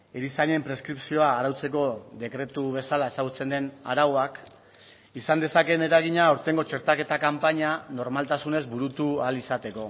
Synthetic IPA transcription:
eɾisaɲe̞mpɾe̞skɾipsio̞aːɾawt͡se̞k̬o̞ðe̞kɾe̞t̪uβe̞salae̞saɣ̞ut͡se̞nd̪e̞na̰ɾawoak | isand̪e̞sake̞ne̞ɾaɣ̞iɲaoɾt̪e̞ŋɡo̞t͡ʃe̞ɾt̪ake̞t̪akampaɲano̞ɾmalt̪asune̞zbuɾut̪ualisat̪e̞ko̞

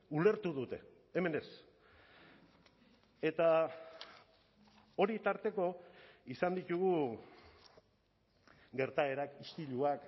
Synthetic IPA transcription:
ule̞ɾt̪uðut̪e̞̰ | eme̞ne̞s | e̞t̪a | o̞ɾit̪aɾt̪e̞ko̞isand̪it̪uɣu | ɡe̞ɾt̪ae̞ɾakist̪iʎuak

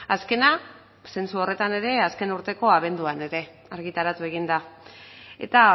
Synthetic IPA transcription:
aske̞na | se̞nsuo̞re̞t̪ane̞ɾe̞aske̞nuɾt̪e̞ko̞aβ̞e̞nd̪uane̞ɾe̞ | aɾɣit̪aɾat̪ue̞ɣ̞ind̪a | e̞̰t̪a

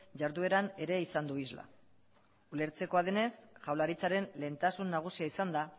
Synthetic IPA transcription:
ʝaɾðue̞ɾane̞ɾe̞isand̪uizla̰ | ule̞ɾt͡se̞ko̞að̞ene̞sʝawlaɾit͡saɾe̞nle̞ːnt̪asunːaɣ̞usiaisand̪a

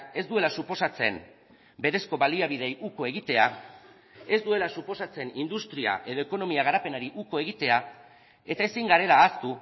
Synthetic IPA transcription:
e̞zd̪ue̞lasupo̞sat͡se̞m | be̞ɾe̞sko̞βaliaβ̞iðe̞jʔuko̞e̞ɣit̪e̞a | e̞zd̪ue̞lasupo̞sat͡se̞nind̪ust̪ɾia̰ʔe̞ðo̞eko̞no̞miaɣaɾape̞naɾiʔuko̞e̞ɣ̞it̪e̞a | e̞t̪ae̞siŋɡaɾe̞laːst̪u

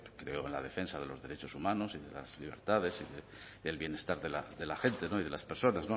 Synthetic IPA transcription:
kɾe̞̰oenla̰ðe̞fe̞nsaðe̞lo̞zðe̞ɾet͡ʃo̞sumãno̞siðe̞̰la̰z̥liβ̞e̞ɾt̪aðe̞siðe | ðe̞lβjene̞st̪aɾðe̞laðe̞laxent̪e̞no̞ið̞e̞laspe̞ɾso̞nazno̞

